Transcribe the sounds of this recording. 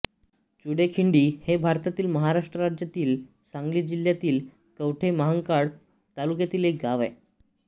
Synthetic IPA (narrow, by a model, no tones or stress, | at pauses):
t͡ɕuɽekʰiɳɖiːhebʱaɾt̪at̪iːlməɦaɾaʂʈɾəɾad͡ʑjat̪iːl | sãŋɡliːd͡ʑil̤jat̪iːl | kəʋʈʰeməɦəŋkaɽ | t̪alukjat̪iːlek̚ɡaʋɛ̰